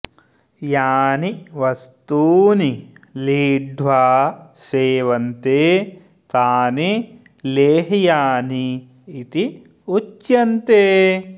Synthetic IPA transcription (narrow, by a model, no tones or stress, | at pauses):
jaːniʋɐst̪uːniliːɖʱʋaːseːʋɐnt̪eː | t̪aːni | leːɦjaːniː | t̪i | ut͡ʃjɐnt̪eː